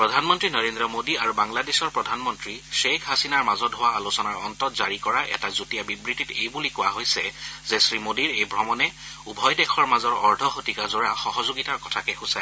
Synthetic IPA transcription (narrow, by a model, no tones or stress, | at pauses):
pɹɔdʱanmɔntɹinɔɹendɹɔmodiaɹubaŋladesɔɹpɹɔdʱanmɔntɹiʃekʰɦasinaɹmazɔtɦʊwaːlosɔnaɹɔntɔtzaɹikɔɹaʔɛ̰tazutijabibɹititejbulikʊwaɦojsɛzɛsɹimodiɹejbɹɔmɔnɛ | ubʱɔjdɛkʰɔɹmazɔɹɔɹdʱɔxotikazoɹaxɔɦɔzoɡitaɹkɔtʰakɛxʊsa